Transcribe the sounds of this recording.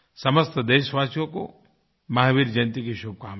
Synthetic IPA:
sɐməst̪d̪eːʃʋaːt͡ʃjõko | mɐɦaʋiːɾd͡ʒɐnt̪ikiʃub̚kaːm

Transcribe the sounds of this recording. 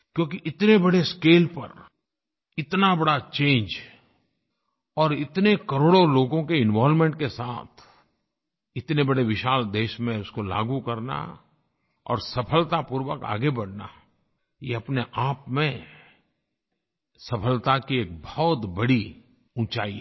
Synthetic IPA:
kjõːkiʔɪt̪nebɐɽeskeːlpɐ̰ɾ | ɪt̪nabɐɽat͡ʃẽːnd͡ʒ | ɔːɾɪt̪nekɐɾoːɽoloːɡõkeɪ̃nʋaːlmẽːɳʈkesa̰ːt̪ʰ | ɪt̪nebɐɽeʋɪʃaːld̪eːʃmẽʊskola̰ːɡukɐɾna̰ | ɔ̰ːɾsɐpʰəlt̪apuːɾwəka̰ːɡebɐɽna̰ | jeɐpneʔaːpmẽ | sɐpʰəlt̪akieːk̚bɔɔːt̪bɐɽi | ũːt͡ʃa̰ːi

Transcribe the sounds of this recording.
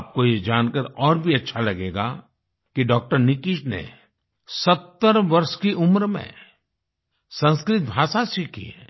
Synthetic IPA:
p̚kojed͡ʒaːnkəɾɔːɾbʱiɐtːʃʰalɐɡeːɡa̰ | kiɖɔːk̚ʈəɾnɪkɪʃnḛ | sɐt̪ːəɾʋɐɾʃkiʔʊmɾmḛ̃ | sə̃nskɾɪt̪̚bʱaːʃasikʰḭɛ

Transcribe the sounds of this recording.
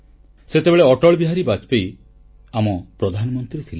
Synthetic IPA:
set̪ebeɭeɔʈɔɭbiɦaɾibat͡ʃpej | amɔpɾɔd̪ʱanɔmɔnt̪ɾiɾet̪ʰile

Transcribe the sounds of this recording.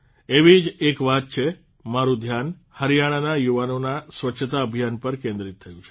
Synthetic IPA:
eʋid͡ʒekʋat̪̚t͡ʃʰe | maɾũd̪ʱjan | həɾjaɽ̃anajuʋanonasʋətːʃʰət̪aəbʱijanpəɾkẽnd̪ɾit̪ʰːəjũt͡ʃʰe̥

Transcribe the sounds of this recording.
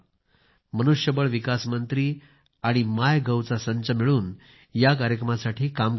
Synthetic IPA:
mənuʂjəbəɭʋikasmənt̪ɾiː | aɽ̃imajɡəwt͡sasəɲt͡ɕəmiɭuːn | jak̬aɾjəkɾəmasaʈʰiːkam

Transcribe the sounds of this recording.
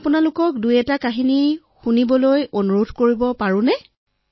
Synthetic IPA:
pʊnalʊkɔk̚dujɛtakaɦini | xunibɔlojonuɹodʱkoɹibɔpaɹʊ̃nɛ

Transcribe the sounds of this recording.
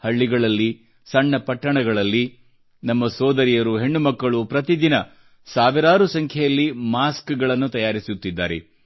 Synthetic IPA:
hɐɭːiɡɐɭɐlːi | sɐɳːɐpɐʈːɐɳɐɡɐɭɐlːi | nɐmːɐsɔːd̪ɐɾijɐɾuɦe̞ɳːumɐkːɐɭupɾɐt̪id̪inɐ | saːʋiɾaːɾusɐŋkʰjɛjɐlːimaːskɡɐɭɐnːut̪ɐjaːɾisut̪ːid̪ːa̰ːɾḛ

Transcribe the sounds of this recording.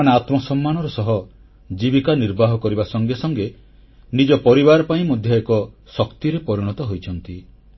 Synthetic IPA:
aɽeat̪mɔsɔmːanɔɾɔsɔɦɔ | d͡ʒibikaniɾbaɦɔkɔɾibasɔŋɡesɔŋɡe | nid͡ʒɔpɔɾiβaɾɔpaĩmɔd̪ʱjɔekɔsɔkt̪iɾepɔɾiɽ̃ɔt̪ɔɦojt͡ʃʰɔnt̪i

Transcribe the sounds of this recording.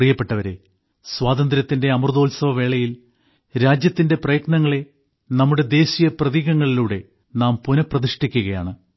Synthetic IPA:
rijɐpːe̞ʈːɐʋɐɾe̞̰ | swaːd̪ɐnd̪ɾɐt̪ːinde̞ɐmrd̪o̞ːlsɐʋɐʋe̞ːɭɐjil | ɾaːd͡ʑjɐt̪ːinde̞prɐjɐknɐŋːɐɭe̞ | nɐmːuɽe̞d̪e̞ːsijɐprɐðiːɣɐŋːɐɭiluːɽe̞ | naːmpunɐprɐðiʂʈikʲːuɣɐja̰ːɳɨ

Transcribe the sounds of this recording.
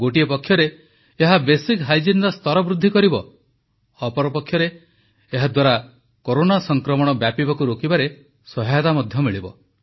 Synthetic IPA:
ɡoʈiepɔkʰjɔɾeː | ɦabesikɦajd͡ʒind̪ɔst̪ɔɾɔbɾud̪ʱːikɔɾibɔ | ɔpɔɾɔpɔkʰːjɔɾeː | ɦad̪waɾa | koɾonasɔŋkɾɔmɔɽ̃ɔbjapibakuɾokibaɾe | sɔɦajɔt̪amɔd̪ʱjɔmiɭibɔ

